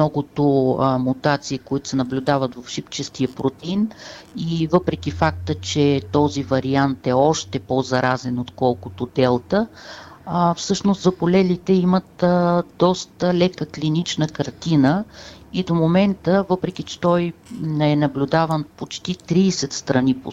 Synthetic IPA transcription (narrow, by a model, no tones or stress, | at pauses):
mmnɔɡʊt̪omut̪at̪siːkoit̪ʊ̥sɛnɐblʲʊd̪avət̪vɐfʃipt͡ʃɛst̪iəpɾot̪inivɤpɾɛk̟ifak̚t̪ət͡ʃɛt̪ɔzivɐɾiant̪ɛɔʃt̪ɛpozɐɾazɛnot̪kɔlˠkʊt̪od̪ɛlˠt̪ə | fsɤʃnost̪zɐpolɛlit̪ɛimət̪d̪ɔst̪əlɛkəklinit͡ʃnəkɐɾt̪inəid̪omomɛnt̪əvɤpɾɛk̟it͡ʃɛ̥t̪ɔjnɛɛnɐblʲud̪avənpot͡ʃt̪it̪ɾiːsɛt̪st̪ɾɐnipo̰